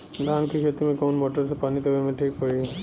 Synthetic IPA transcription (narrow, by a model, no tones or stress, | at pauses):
d̪aːnkʰeket̪imẽkoːnmoːʈəɾsepaːnit̪ɐʋemẽʈʰiːkpoːi